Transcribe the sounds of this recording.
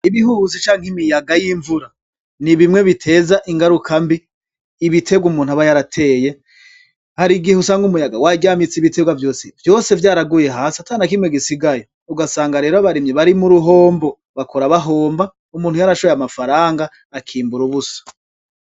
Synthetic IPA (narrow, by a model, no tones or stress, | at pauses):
iβiɦuzit͡ʃaːŋ̥imijaɡajiːɱvuɾa | niβimŋwe̞βitʰe̞ːzaʔiŋɡaɾukʰambiː | βitʰe̞ɡwumuːn̥huaβajaɾatʰe̞ːje̞ | haɾiɡihusaːŋɡumujaɡawaɟaːmit͡siβitʰe̞ɡwavjo̞ːsevjo̞ːse̞vjaːɾaɡuje̞ɦaːsatanakimŋweɡisiɡajo̞ | uɡasaːŋɡaɾe̞ːɾoaβaɾimjeβaɾimuɾuɦo̞ːmbo | βakʰoɾaβaɦo̞ːmba | umuːnhujaɾaʃojamafaɾaːŋɡaː | kʰiːmbuɾuβusḁ